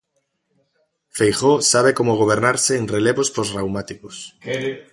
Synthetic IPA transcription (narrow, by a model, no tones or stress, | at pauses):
fejχosaβ̞ekomoɣ̞oβ̞eɾnaɾseːŋreleβospozrawmat̪ikos